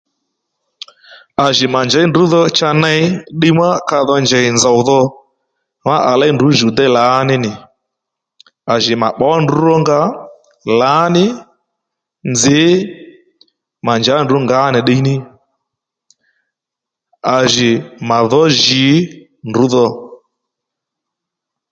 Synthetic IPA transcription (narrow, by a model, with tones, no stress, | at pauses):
a˨ʒɪ˨ma˨nd͡ʒɛ˨˦ndʊ˨˦ðɔ˧t͡ʃa˧nɛ˧ɪ˦ɗe˦˧˦ma˦ka˧ðɔ˧nd͡ʒɛ˨ɪ˨nd͡za˨wðɔ˧ | ma˦ʔa˨la˦jndu˨˦ʒu˨dɛ˦˨la˨˦nɪ˦nɪ˨ | a˨ʒɪ˨ma˨ɓɔ˨˦ndu˨˦ɾɔ˦ŋɡa˦ | la˨˦nɪ˦ | nd͡zɪ˨˦ | ma˨nd͡ʒa˨˦ndu˨˦ŋɡa˨˦nɪ˨ɗe˧i˦nɪ˦ | a˨ʒɪ˨ma˨ðɔ˦ʒɪ˨˦ | ndu˨˦ðɔ˧